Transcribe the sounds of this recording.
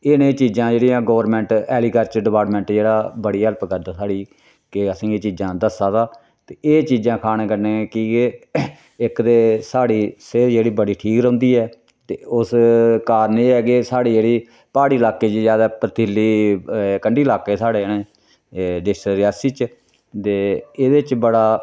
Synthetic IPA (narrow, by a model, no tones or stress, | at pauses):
ɪnẽːt͡ʃiːd͡ʒãːd͡ʒeːɽijãːɡoːəɾmɛ̃ːɳʈɛːliːkəɾt͡ʃəɖɪpaːʈmɛ̃ːɳʈd͡ʒeːɽaːbəɽiːəlpəɡəd̪aːsaːɽiː | keəsĩːeːt͡ʃiːd͡ʒãːd̪əsaːt̪aː | tt̪eːʔeːt͡ʃiːd͡ʒãːkʰaːneːkəɾneːkiːɡeː | ɪkd̪eːsaːɽiːseːɾd͡ʒeːɽiːbəɽiːʈʰiːkɾʊ̃nd̪iːɛː | t̪eːʊskaːɾneːɛːɡeːsaːɽiːd͡ʒeːɽiː | paːɽiːəlaːkeːd͡ʒiːd͡ʒjaːd̪aːpəɾt̪ʰilːiːkəɳɖiːlaːkeːsaːɽeːənẽː | ɖɪsʃəɾɪjaːsiːt͡ʃ | t̪eːeːd̪et͡ʃbəɽaː